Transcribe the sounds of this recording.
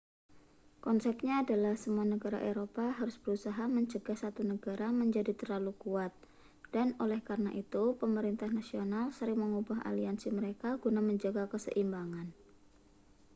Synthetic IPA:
kɔnsɛp̚ɲaːdalahsəmuanəɡaɾa̰ʔeɾopaɦaɾʊsb̥əɾusaɦaməɲt͡ʃəɡahsat̪unəɡaɾaməɲd͡ʒadit̪ərlalukuat̪̚ | d̥anolɛhkaɾənaʔit̪upəməɾint̪ahnasionalsəɾɪŋməŋubaɦa̰liansiməɾekaɡunaməɲd͡ʒaɡakəsə̰ʔimbaŋan

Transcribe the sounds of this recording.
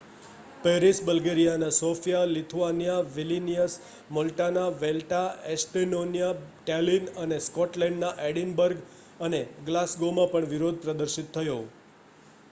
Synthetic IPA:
peɾisbəlɡeɾijanasofjalit̪ʰuanijaʋilinijəs | mɔlʈanaʋelʈaesʈenonijaʈalinəneskɔʈlɛ̃ɳɖnaʔeɽinbəɾɡ | əneɡlasɡomãpəɳʋiɾod̪̚ʱpɾəd̪əɾʃit̪ʰːəjo

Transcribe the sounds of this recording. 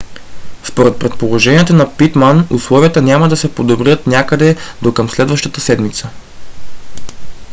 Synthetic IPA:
spoɾɛt̪̚pɾɛt̪̚polˠoʒɛniɛt̪onɐpit̪manuslˠɔviət̪ənʲaməd̪ɐsɛpod̪obɾiət̪nʲjakəd̪ɛd̪okəmslɛd̪vəʃt̪ət̪əsɛd̪mit̪sə

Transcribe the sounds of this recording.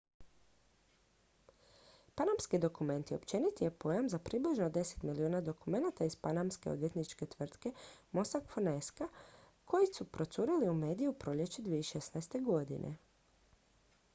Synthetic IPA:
panamskid̪o̞kume̞nt̪io̞pt͡ʃe̞nit̪ije̞po̞ːjamzapɾibliʒnod̪e̞se̥t̪miliuːnad̪o̞kume̞nat̪aizpanamske̞od̪ʋje̞t̪nit͡ʃke̞t̪ʋr̩t̪ke̞mo̞sakfoneska | kʰo̞jisupɾo̞t̪suɾiliume̞ːd̪ijupɾo̞ʎʲe̞t͡ʃed̪ʋiːeiʃe̞snaest̪e̞ɡo̞d̪ḭnʔḛ

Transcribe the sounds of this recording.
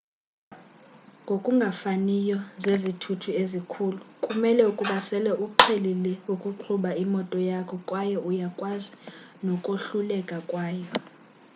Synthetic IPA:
ŋɡʱokʼuŋɡʱafanijɔzezitʰutʰuezikʰuːlukʼumɛlɛukʼuɓasɛlɛʔuǃʰelilɛukʼuǃʰuɓaimɔtʼɔjakʰɔkʼwajɔʔujakʼwazi | nɔkʼoɬulɛkʼakʼwaːjɔ

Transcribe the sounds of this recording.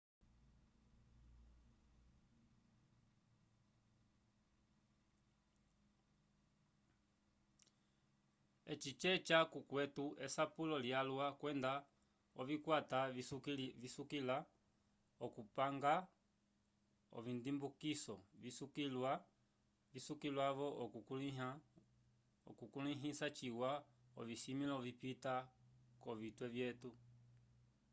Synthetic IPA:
ɛt͡ʃit͡ʃɛt͡ʃakukwɛtuɛsapulɔljalwakwɛnda | ɔvikwata | visukila | ɔkupaŋɡa | ɔ̰vindimbukisɔvisukilwa | visukilwavɔʔɔ | kukuliɦisat͡ʃiwa | ɔviʃimilaɔvipitakɔvitwɛvjɛtu

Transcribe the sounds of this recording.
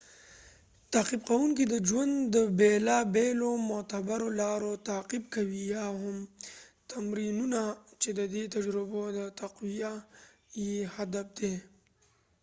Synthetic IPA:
t̪aqib̚qawunkid̪əd͡ʒwand̪d̪əbelabelomʊt̪abaɾolaɾot̪aːqibkawijaɦʊmt̪amɾinunat͡ʃed̪əd̪et̪ad͡ʒɾɪbod̪ət̪aqwijajehad̪ab̚d̪e

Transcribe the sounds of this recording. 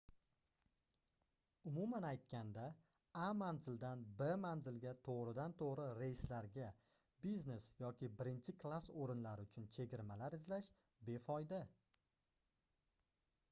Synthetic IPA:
ʊmʊmanajt̪̚kʲand̪a | amanzɪld̪anbemanzɪlɡʲat̪ʰoʁɾɪd̪ant̪ʰoʁɾɪɾejslaɾɡʲa | bizne̞sjɒkʲɪbɪɾɪnt͡ʃʰɪkʰlˠasoɾɪnlaɾɪʊt͡ʃʰʊnt͡ʃʰe̞ɡʲɪɾmalaɾɪzlaʃ | be̞fɒjd̪a

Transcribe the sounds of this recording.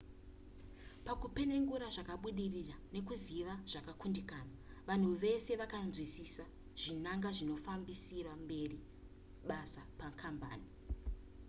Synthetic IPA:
pakupe̞ne̞ŋɡuɾaʐakaɓuɗirirane̞kuziʋaʐ̥akakundikaːnaʋan̤uʋe̞se̞ʋakanzwisisa | ʐ̥inaŋɡaʐino̞fambisirambe̞ri | ɓasapakʰamba̰ːni

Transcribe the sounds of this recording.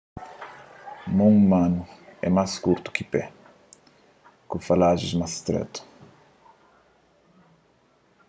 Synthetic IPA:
mõŋmãnʊɛ̰majskuɾt̪u̥kɪpɛ | kũfalaʒɪzmast̪ɾɛ̰t̪u̥

